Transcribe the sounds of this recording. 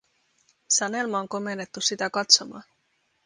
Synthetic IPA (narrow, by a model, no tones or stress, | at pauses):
sɑne̞lmɑoŋko̞me̞nːe̞t̪ːusit̪ækɑt̪so̞mɑ̰ːn